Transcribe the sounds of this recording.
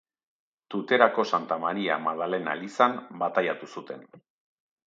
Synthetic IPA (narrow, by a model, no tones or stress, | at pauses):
t̪ut̪e̞ɾako̞sant̪amaɾia̰maðale̞na̰lisambat̪ajat̪usut̪e̞n